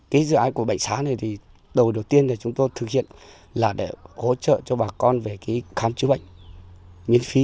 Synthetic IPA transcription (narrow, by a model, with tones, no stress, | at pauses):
kaː˨˦jzɨ̰˧˨ʔaː˨˦jku˧˩ɓa̰˧˨jŋsaː˨˦na˨˩jt̪ʰi˨˩ | ɗə˨˩wɗə˨˩wt̪i˧ənːa˨˩t͡ɕʊ˨˦ŋ͡mt̪o˧jt̪ʰɨ˨˩k̚hḭ˧˨ən | laː˨˩ɗe˧˩ho̰˧˥t͡ɕə̰ː˧˨t͡ɕɔ˧ɓaː˨˩kɔ˧nve˨˩ki˨˦jxaː˨˦mt͡ɕɨ˨˦ɓə̰˧˨ŋ̟ | mi˨˦ənfi˨˦